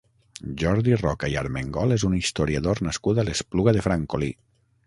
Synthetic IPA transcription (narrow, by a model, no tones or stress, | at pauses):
ʒɔɾðirɔkaiaɾmeŋɡɔlˠezunist̪oɾjaðoɾnaskuðalespluɣaðefɾaŋkoli